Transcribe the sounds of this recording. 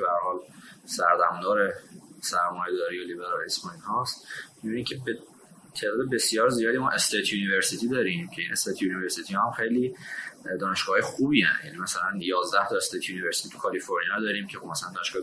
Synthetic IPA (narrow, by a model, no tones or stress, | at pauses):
behæɾhɒːlsæɾd̪æ̰md̪ɒːɾesæɾmɒːjed̪ɒːɾiːjolibeɾɒlespɒnihɒst̪mibinimcʰebe | t̪ʰe̞ːd̪ɒːd̪ebe̞sijɒːɾzijɒːd̪imɒːʔe̞st̪ʰet̪ʰjuːniveɾsit̪ʰid̪ɒːɾimcʰe̞inʔe̞st̪ʰet̪ʰjuniveɾsit̪ʰihɒhæmxe̞jliːd̪ɒːne̞ʃɡ̥ɒːhɒːjexuːbiːæ̰njæ̰niːmæsælænjɒːzd̪æht̪ʰɒest̪eːt̪ʰjuniveɾsi̥t̪ʰit̪ʰu̥kʰɒlifoɾnijɒd̪ɒːɾiːmcʰexob̥̚mæsælænd̪ɒːneʃɡ̥ɒː